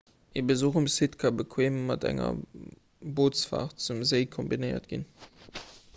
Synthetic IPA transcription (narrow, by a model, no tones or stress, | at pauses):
ʔeːbəzoχumsitkʰɑbəkʰweːmːɑtæ̰ŋɐ̰ | boːsfa̰ːʁt̚t͡sumzeɪkʰɔmbinəɪɐ̰tɡ̥in